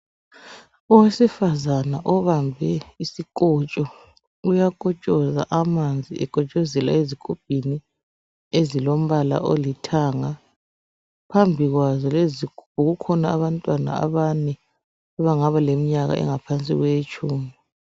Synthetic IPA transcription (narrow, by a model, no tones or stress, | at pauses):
ɔwesifazanaʔɔβambʱɛisikʼɔt͡ʃʼɔ | ujakʼɔt͡ʃʼɔza̰ʔamand͡zʱiʔɛkʼɔt͡ʃʼɔzɛla̰ezikʰub̥̚ʱini | ezilom̩βala̰ʔolitʰaːŋa | pʰambʱiɣwazɔlezikʰub̥ʱuɣukʰɔnaːβantʼwana̰a̰βanɛ | aβaŋaβalemiɲaɣa̰ʔɛ̰ŋapʰant͡sʼḭɣwet͡ʃʰʼuːmi